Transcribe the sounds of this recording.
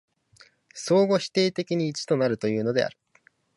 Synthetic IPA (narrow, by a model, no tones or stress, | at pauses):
so̞ːɡo̞ɕi̥t̪e̞ːt̪e̞kʲiɲ̟iːt͡ɕi̥t̪o̞naɾɯ̟t̪o̞jɯ̟ːno̞d̪e̞̰a̰ɾɯ̟